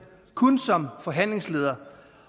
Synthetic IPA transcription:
kʰɔnsɒ̽mfɒ̽ɦæn̰le̝ŋsle̝ːð̞ˠɐ

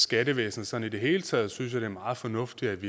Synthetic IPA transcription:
sɡ̥æɾəʋḛːsnð̩ˠsɒ̽nid̥e̝ɦe̝̰ːlət͡sʰɛ̰ːð̞̩ˠsyns̬jɑ̈ɾ̥e̝æɐmɑ̈ːð̩ˠfɒ̽nɔ̽fd̥iæʋi

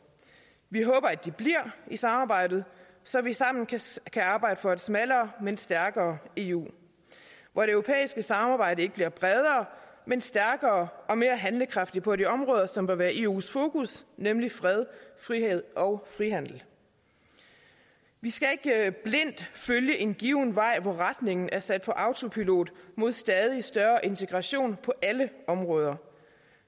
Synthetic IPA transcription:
ʋiɦɔ̽ːb̥ɐæd̥ib̥liɐ̰isɑ̈mɑ̈ːb̥ɑ̈ɪ̰d̥ð̞̩ˠ | sɒ̽ʋisɑ̈m̰n̩kʰæɑ̈ːb̥ɑ̈ɪ̰d̥əfɒ̽æd̥smælɐːmensd̥æɐɡ̥ɐːe̝ːṵː | ʋɒɾ̥e̝øʊo̝pʰḛːisɡ̥əsɑ̈mɑ̈ːb̥ɑ̈ɪ̰ɾəe̝ɡ̥əb̥liɐb̥ʁɛð̞ˠɐːmensd̥æɐɡ̥ɐːʔɒ̽me̝ːɐɦænləkʰʁɑ̈fd̥i̥pʰɒ̽ɾiɒ̽mʁɔ̽ːðˠɐsɒ̽mb̥ɶɐʋæːɐʔe̝̰ːṵːsfo̝ːkusnemlifʁɛð̞ˠfʁiheð̞ˠʔɒ̽ʊfʁiɦæn̰̥l̩ | ʋisɡ̥æe̝ɡ̥b̥le̝n̰d̥føljəʔe̝nɡ̥iːʊnʋɑ̈ɪ̰ʋɒʁad̥ne̝ŋn̩ʔæɐsæd̥̚pʰɒ̽ʔɑ̈ʊt͡sʰo̝pʰilo̝̰ːd̥mo̝ð̞̰ˠsd̥ɛːð̞ˠisd̥ɶɐʔe̝nt͡sʰe̝ɡ̥ʁɑ̈ɕo̝̰ːnpʰɒ̽ʔæləɒ̽mʁɔ̽ːð̞ˠɐ

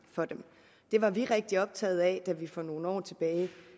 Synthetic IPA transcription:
fɒ̽d̥em | d̥e̝ʋɑ̈ʋiʁeɡ̥̚d̥iɒ̽b̥̚t͡sʰɛ̰ːð̞̩ˠɛd̥æʋifɒno̝ːn̩ɒ̰ːt͡sʰe̝b̥ɛːɪ

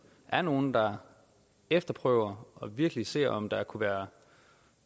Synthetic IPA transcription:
ʔæɐno̝ːn̩d̥ɑ̈ | efd̥ɐpʰʁœʊ̰ɐɒ̽ʋiɐɡ̥əlise̝̰ɐ̰ʔɒ̽md̥ɑ̈kʰuʋæːɐ

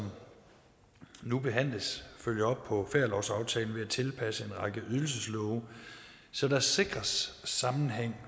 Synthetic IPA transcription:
sɒm | nub̥e̝ɦæn̰ləsføljɐɒ̽b̥̚pʰɒ̽feɐlɒʊ̰sɑ̈ʊt͡sʰɛːln̩ʋe̝æt͡sʰe̝lpʰæsəe̝nʁɑ̈ɡ̥əʔyðˠl̩s̬əslɔʊ | sɒ̽d̥ɑse̝ɡ̥ʁɐsːɑ̈mn̩ɦeŋ̰

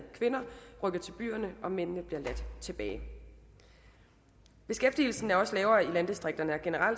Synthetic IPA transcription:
kʰʋe̝nɐʁœɡ̥ɐt͡sʰe̝lb̥y̰ːɐnəʔɒ̽men̰nəb̥liɐlæd̥t͡sʰe̝b̥ɛ̰ːɪ | b̥e̝sɡ̥efd̥il̩sn̩æɐɒ̽slɛːʊɐːilænd̥isd̥ʁeɡ̥̚d̥ɐnəæɐɡ̥e̝nəʁɑ̈l̰

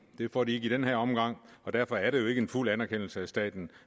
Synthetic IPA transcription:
d̥e̝fɒ̰ːdie̝ɡ̥id̥enɦæɐɒ̽mɡ̥ɑ̈ŋ̰ɒ̽d̥æɐfɒ̽æɐɾejo̝e̝ɡ̥əenfulænæɐkʰen̰l̩səæsd̥ɛ̰ːd̥n̩

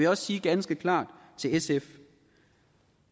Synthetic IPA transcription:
ejɒ̽ssiːɡ̥ænsɡ̥əkʰlɑ̰̈ːd̥ | t͡sʰe̝lesef

